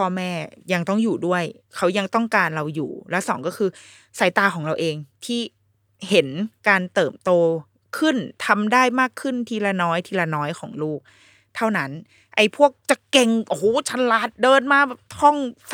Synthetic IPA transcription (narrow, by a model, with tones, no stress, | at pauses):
pʰɔː˧mɛː˥˩ja˧ŋt̪ɔ˥˩ŋjuː˨˩du˥˩əj | kʰa˦˥wja˧ŋt̪ɔ˥˩ŋkaː˧nɾa˧wjṵː˨˩lɛ˦˥wsɔː˩˦ŋkɔː˥˩kʰɯː˧ | sa˩˦jt̪aː˧kʰɔː˩˦ŋɾa˧wʔeː˧ŋt̪ʰiː˥˩ | he˩˦nkaː˧nt̪ɤː˨˩mt̪oː˧ | kʰɯ˥˩nt̪ʰa˧mdaː˥˩jmaː˥˩kʰːɯ˥˩nt̪ʰiː˧˩la˧nɔː˦˥jt̪ʰiː˧˩la˧nɔː˦˥jkʰɔː˩˦ŋluː˥˩k̚ | t̪ʰa˥˩wna˦˥n | ʔa˧˩jpʰu˥˩ək̚t͡ɕa˨˩ke˧ŋʔoː˨˩˦t͡ɕʰa˦˧˥nla˦˥t̪̚dɤː˧nmaː˧˩bɛː˨˩p̚hɔ˥˩ŋs